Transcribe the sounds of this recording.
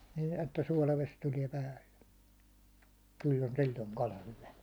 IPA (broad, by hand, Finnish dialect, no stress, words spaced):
nin etːæ suɒlɑʋes tuliɛ pæːlːe kylː on silʲːoŋ kɑlɑ hyʋæ